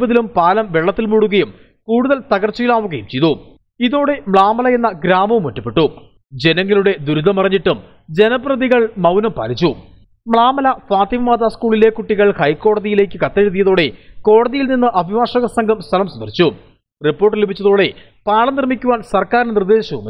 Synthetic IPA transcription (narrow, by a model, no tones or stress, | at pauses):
bɐðilumpaːlɐmʋe̞ɭːɐt̪ːilmuːɽuɣɐjum | kuːɽuðɐlt̪ɐɣɐrt͡ɕːɐjilaːʋuɣɐjumt͡ɕe̞jt̪u | iðo̞ːɽe̞mɭaːmɐlɐe̞nːɐɡɾaːmɐʋumotːɐpːeʈːu | d͡ʑe̞nɐŋːɐluɽe̞d̪uɾuðɐmɐrɐɲːiʈːum | d͡ʑe̞nɐprɐðiɣɐɭmɐwnɐmpa̰ːɾit͡ɕːu | mɭaːmɐlɐfaːt̪imɐmaːd̪aːskuːɭile̞kuʈːiɣɐɭhɐjko̞ːɽɐðijile̞ːkːɨkɐt̪ːɐɾut̪ːijɐðo̞ːɽe̞ko̞ːɽɐðijilninːɨʔɐbʱiʋaːʂɐɣɐsɐŋɡʱɐmst̪ʰɐlɐmsɐnd̪ɐrit͡ɕːu | ripːoːʈːilibʱit͡ɕːɐðo̞ːɽe̞ | paːɭɐmnirmikʲːuʋaːnsɐrkaːɾnenird̪e̞ːɕɐʋṵm